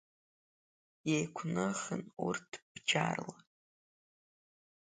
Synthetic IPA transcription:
jejkʷʰnɨχənurtʰb̥d͡ʒarla

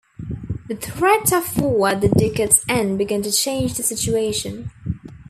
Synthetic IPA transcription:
ðɨθɹɛtəfɔwəd̪̚ðɨdɪkɨtsɛ̃nbɨɡæ̃ntɨt͡ʃʰẽɪ̃nd͡ʒðɨsɪt͡ʃueɪʃɨ̃n

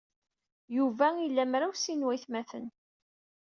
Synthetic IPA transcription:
juvæilːæmɾawsinwæjθmæθən

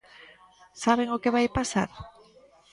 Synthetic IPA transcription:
saβ̞eŋokeβajpasa̰ɾ

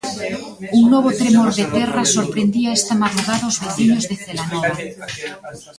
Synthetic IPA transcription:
uŋnoβ̞ot̪ɾemoɾðet̪ɛrasoɾpɾend̪iaest̪amaðɾuɣaðaozβeθiɲozðeθelanoβa

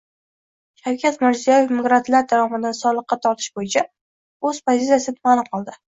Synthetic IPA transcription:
ʃawkʲʰat̪mɪɾzijajefmɡɾat̪laɾd̪avɒmɪd̪ansɒlˠɨqːɑt̪ʰɒɾt̪ʰɪ̥ʃbojɪt͡ʃʰa | ɵz̥pʰozɪt̪sijasɪt̪ʰʊmalˠɪqʰɒlˠd̪ɪ

